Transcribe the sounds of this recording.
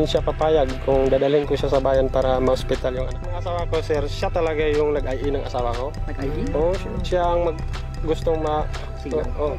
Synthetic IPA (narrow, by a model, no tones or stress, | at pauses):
nʃapɐpaːjɐɡ̚kʊŋd̪aːd̪ɐlɪŋkoʃasɐbaːjɐnpaːɾɐmɐhospɪt̪aljʊŋʔɐnak̚nɐŋɐsaːwɐkosɛɾʃjat̪ɐlɐɡajʊŋnɐɡʔajʔinɐŋʔɐsaːwɐko̞ɡʔo | ʃaʔɐŋmɐɡ̚ | ɡʊst̪oŋmɐ | ʔoʔ